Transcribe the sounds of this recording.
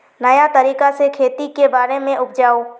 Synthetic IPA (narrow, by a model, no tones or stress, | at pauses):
nɐjat̪əɾiːkasekʰeːt̪ikebaːɾemẽʊpʰd͡ʒaːoː